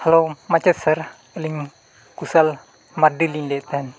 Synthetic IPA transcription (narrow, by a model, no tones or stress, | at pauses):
halomat͡ʃɛsər | liŋ | kusal | mardilindɛt̪ɛn